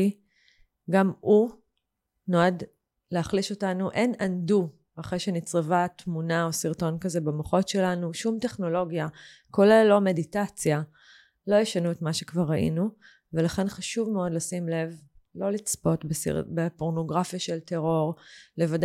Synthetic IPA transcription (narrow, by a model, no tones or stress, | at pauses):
i | ɡamu | noad | leaχliʃo̞tanuʔe̞nandu | aχʁejʃenit͡sʁevat̪munao̞siʁto̞nkazebemoχo̞tʃe̞lanuʃumte̞χno̞lo̞ɡja | ko̞lellːo̞me̞ditat͡sja | lo̞jeʃanuetmaʃekvaʁːaʔḭnu | ve̞laχe̞nχaʃuvmeo̞dlasimle̞vlo̞lit͡spo̞tbesḭbepo̞ʁno̞ɡʁafjaʃelte̞ʁo̞ʁle̞vad